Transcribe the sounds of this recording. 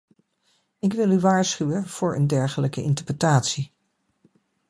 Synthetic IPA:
ɪkʋɪlˠyʋaːɹsχywənv̥ʊːɹə̰ndɛɹχələkəʔɪntəɹprətaːtsi

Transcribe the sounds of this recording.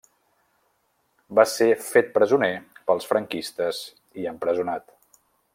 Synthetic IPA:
basefet̪̚pɾəzunepəlˠsfɾəŋkist̪əz | iəmpɾəzunat̪

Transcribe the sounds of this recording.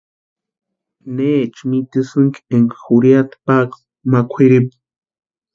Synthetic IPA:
neːt͡ʃmit̪isɨŋkieŋkxuɾjat̪pak | makʷʰiɾip̚

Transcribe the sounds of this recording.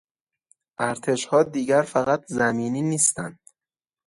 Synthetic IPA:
ʔæɾt̪ʰe̞ʃhɒːd̪iːɟæɾfæɣæt̪ʰzæmiːniːniːst̪æ̰nd̪̥

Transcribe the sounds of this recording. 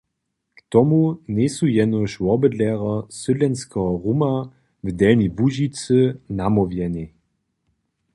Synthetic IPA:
kt̪ɔmunʲɛsujɛnɔʃwɔbəd̪lɛʁɔsʏdlɛnskɛɦɔʁuma | vd̪ɛlnibuʒit͡sənamɔvjɛni

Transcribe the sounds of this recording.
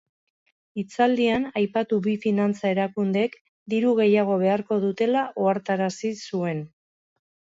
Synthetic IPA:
it͡sald̪ianajpat̪uβifinant͡sae̞ɾakund̪e̞k | d̪iɾuɣ̞e̞jaɣ̞o̞βe̞aɾko̞ðut̪e̞laʔoaɾt̪aɾasisue̞n

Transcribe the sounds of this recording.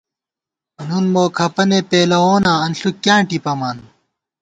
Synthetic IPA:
nunmoːkʰɐpɐnepeːlɐoːnaːɐnɬukːjãːʈipɐmaːn

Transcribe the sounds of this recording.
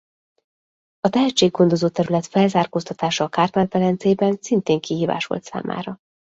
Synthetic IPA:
ɒt̪ɛɦɛt͡ʃːeːɡːo̞nd̪o̞zoːt̪ɛɾylɛt̪fɛlzaːrkoːst̪ɒt̪aːʃɒːkaːrt̪mɛlt̪ɛɾɛnt̪seːbɛnsint̪eːŋkiɦiːva̰ːʃʋo̞̰lt̪sa̰ːma̰ːɾɒ

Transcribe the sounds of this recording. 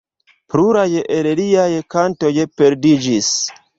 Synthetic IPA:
pɾuɾajeʔeɾeliajekanto̞jepeɾdid͡ʒis

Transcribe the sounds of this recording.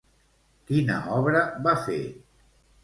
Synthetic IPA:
kinə̰ɔβɾəβafḛ

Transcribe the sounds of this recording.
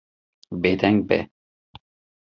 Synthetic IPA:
bed̪ɛŋɡ̚bɛ̰

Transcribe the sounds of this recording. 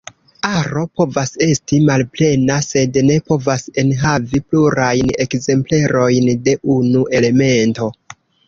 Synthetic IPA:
aɾo̞po̞vase̞stimalple̞nase̞dne̞po̞vase̞nɦavipluɾajne̞kze̞mple̞ɾo̞jnde̞ʔunuʔe̞le̞me̞nto̞

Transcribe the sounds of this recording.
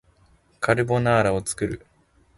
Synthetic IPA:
kaɾɯ̟bo̞naːɾao̞t͡sɨ̥kɯ̟ɾɯ̟

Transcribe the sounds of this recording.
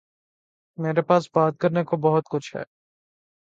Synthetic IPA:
meːɾepaːsbaːt̪̚kəɾnekobɔɦʊt̪̚kʊt͡ʃʰɦɛ̰ː

